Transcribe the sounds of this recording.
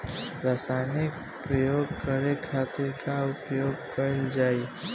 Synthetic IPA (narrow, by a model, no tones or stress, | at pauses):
ɾaːsaːjnɪk | pɾəjoːɡ̚kəɾekʰaːt̪ɪɾkaʊpjoːɡkəɪld͡ʒaːi